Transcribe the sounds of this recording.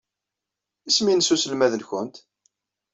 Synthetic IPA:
isminəsusəlmæðəlçʊnt̪

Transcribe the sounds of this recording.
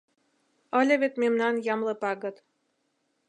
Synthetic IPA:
ɤ̆lʲɤ̆βet̪memnɑnjɑmlɤ̆pɑɣɤ̆t̪

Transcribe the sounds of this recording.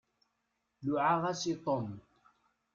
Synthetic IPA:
lʊʕaʁasit̪ˤom

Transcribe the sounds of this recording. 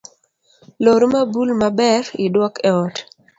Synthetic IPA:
loɾmabulmabɛɾɪdwɔkʰɛɔt

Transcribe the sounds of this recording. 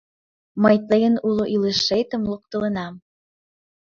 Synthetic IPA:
mɑjt̪lɤjənulˠoʔileʃːejt̪ə̆mlˠuk̚t̪ɤ̆lɤ̆nɑm

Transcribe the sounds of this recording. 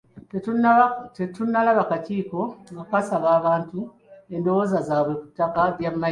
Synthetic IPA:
etunːalaβakaciːko̞ɡakasaβaːβaːntu | e̞ndo̞wo̞ːzazaːβwe̞ku̥tːakaβjamːa

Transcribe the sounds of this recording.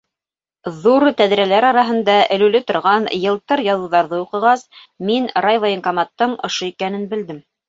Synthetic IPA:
ðuɾt̪æðɾælæɾɑɾɑɦɤ̆nd̪ɑɘ̆lʉlɘt̪ŏɾʁɑnjɤ̆lˠt̪ɤɾjɑðɤ̆wðɑɾðɤuqɤ̆ʁɑs | minɾɑjvɑɪŋkɑmɑt̪ːɤɴŏʃoikænɘnbɘ̆ld̪ɘm

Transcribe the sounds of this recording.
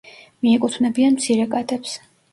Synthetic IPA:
miɛkʼut̪ʰvnɛbianmt̪sʰiɾɛkʼad̪ɛps

